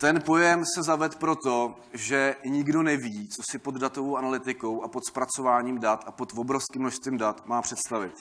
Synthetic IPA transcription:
t̪ɛnpo̞jɛmsɛzavɛt̪pɾo̞t̪o̞ | ʒɛɲɪɡdo̞nɛviːt͡sosɪpo̞d̪dat̪o̞vowʔanalɪt̪ɪko̞wʔapo̞t̪spɾat͡so̞vaːɲiːmdat̪apot̪vobɾofskɪmnoʃst̪viːmdat̪maːpr̥ɛt̪st̪avɪt̪

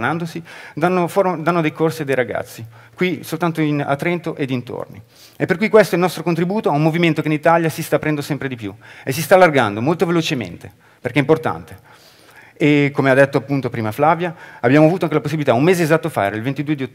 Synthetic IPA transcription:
nand̪osid̪anːofoɾd̪anːod̪ejkorsiad̪ejɾaɡa̰t̪sːi | kwisolt̪ant̪oina̰t̪ːɾɛnt̪oʔed̪int̪o̰rnḭ | epːerkujkwest̪oilnɔst̪ɾokont̪ɾibuːt̪oaumːoviment̪okeinit̪aljasist̪apːɾɛnd̪osɛmpɾed̪ipjṵes̬ist̪aːlːarɡand̪omolt̪ovelot͡ʃemḛnt̪e | perkɛimport̪a̰nt̪e | ekːomead̪ːɛt̪ːoapːunt̪opɾiːmaflaːvjaːbːjaːmoavuːt̪oaŋkelaposːibilit̪aumːeːzeːzat̪ːofa̰ḛɾailvent̪id̪uːed̪io

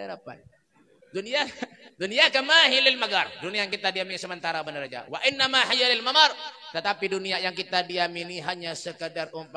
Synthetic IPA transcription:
eɾapa̰n | dunija | dunijakamaɦilɪlmaɡarduniajaŋkit̪adiaminsəmənt̪aɾabənəɾad͡ʒa̰waʔɪnːamahajalɪlmamart̪ət̪apiduniajaŋkit̪adiaminiɦaɲasəkədarʔumpa

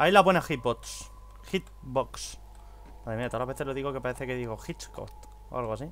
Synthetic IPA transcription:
ailaponeaxit̪̚boks | xit̪̚ | boks | maðɾeiat̪oalaβeθe̞zloðiɣoke̞paɾeθekeðiɣoxit͡ʃko̰ft̪ | o̰a̰lɣoasi

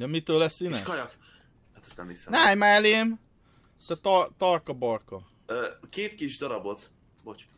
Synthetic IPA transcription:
d̪ɛmit̪øːlɛsinɛʃkɒjɒk | hat̪ɛ̥st̪nɛ̰mhisɛnajmaleːm | t̪ɛt̪ɒt̪ɒrkɒbɒrkɒ | økeːt̪kiʒd̪ɒɾɒbot̪ | bot͡ʃ

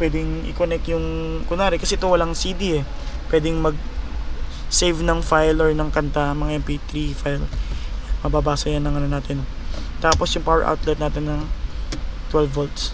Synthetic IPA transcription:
pwɛd̪ɪŋʔɪ̰konɛk̚t̪jʊŋkʊnaːɾɪkɐsɛʔt̪o̞wɐlaŋsid̪iɛ | pwɛːd̪ɪŋmɐɡ̚ | sejvnɐŋfajloɹnɐŋkɐnt̪amɐŋaʔɛmpit̪ɾifajl | mɐbaːbaːsɐjanːɐŋɐnonaːt̪ɪnt̪aːpo̞sjʊŋpawɛɹʔa̰wt̪lɛt̪̚naːt̪ɪnːɐŋ | t̪wɛlvolt̪s

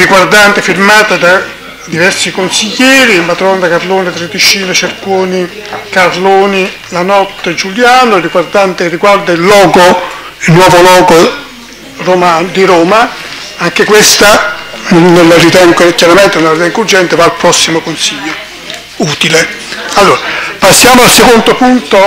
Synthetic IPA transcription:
riɡward̪ant̪ɪfirmaːt̪ad̪a | d̪ivɛɾsikonsiʎːɛːɾimat̪ɾɔnd̪akaɾloːnit̪ɾed̪it͡ʃiːnet͡ʃerkoːni | karloːni | lanɔt̪ːed͡ʒuljaːnoɛrːiɡward̪ant̪eriɡward̪ailːɔːɡo | ilnwɔːvolɔːɡo | romad̪iɾɔːma | aŋk̟ekwest̪a | nːelːaɾit̪ɛŋɡokjaɾamɛnt̪enelaɾit̪ɛŋɡurd͡ʒɛnt̪evaːlpɾɔsːimokonsiʎːo | uːt̪ile | alːoːɾapasːjaːmoalsekond̪opunt̪o

